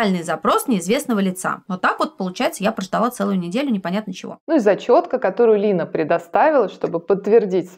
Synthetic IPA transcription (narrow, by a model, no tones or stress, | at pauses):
alʲnɨjzɐpɾo̞snʲɪɪzvʲe̞snəvəlʲɪt̪sa̰not̪akvot̪̚pəlˠʊt͡ɕæjɪt̪səjapɾəʐd̪ɐlˠat̪sɛlˠʊjʊnʲɪdʲelʲʊnʲɪpɐnʲat̪nət͡ɕɪvo̞̰nuɪzɐt͡ɕo̞t̪kəkɐt̪o̞ɾʊjʊlʲinəpɾʲɪd̪ɐst̪avʲɪlˠəʂt̪o̞bɨpət̪ːvʲɪrdʲitʲs